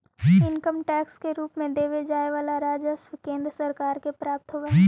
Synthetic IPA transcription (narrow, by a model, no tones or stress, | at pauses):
d͡ʒiɪnkəmʈɛːkskeɾuːpmẽd̪eːʋed͡ʒaːeʋaːlaɾaːd͡ʒəswkẽːnd̪ɾəsəɾkaːɾkepɾaːp̚t̪ɦoʋe